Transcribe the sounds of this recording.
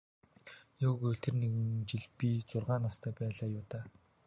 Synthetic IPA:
jʊːɣɵt̪ʰĕrneɣɘ̆nt͡ɕiɮpit͡sʊrʁaːnast̪ʰæːpæːɮaːjʊːt̪aː

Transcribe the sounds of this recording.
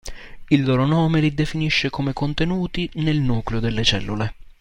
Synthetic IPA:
ilːɔːɾonɔːmelid̪efiniʃːekomekont̪enuːt̪inelnuːkleod̪elːet͡ʃɛ̰lːule

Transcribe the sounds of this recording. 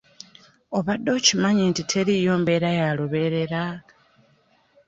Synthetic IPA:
o̞βad̪ːo̞ːcimaɲiːntitʰe̞ɾijo̞ːmbe̞ːɾajaloβe̞ɾe̞ɾa

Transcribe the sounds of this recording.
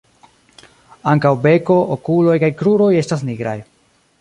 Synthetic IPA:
aŋkawbe̞ko̞ʔokulo̞jkajkɾuɾo̞je̞stas̬niɡɾa̰j

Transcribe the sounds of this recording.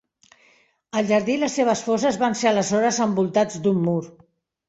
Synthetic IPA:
əlˠʒəɾðiləsːeβ̞əsfɔzəzβanseələzɔɾəzəmbulˠt̪ad͡zd̪umːuɾ

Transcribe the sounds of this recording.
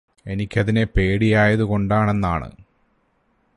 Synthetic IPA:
e̞nikʲːɐðinepe̞ːɽijaːjɐðuko̞ɳɖaːɳe̞nːaːɳɨ̰

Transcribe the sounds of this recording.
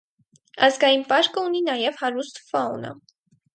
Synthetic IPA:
ɑzɡɑjinpɑɾkəuninɑjɛvhɑɾust̪fɑunə̰

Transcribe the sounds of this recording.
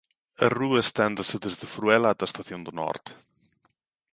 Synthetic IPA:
ə̰ruəst̪ɛnd̪əsəd̪əzðəfɾuɛlat̪ast̪aθjond̪ənɔ̰ɾt̪

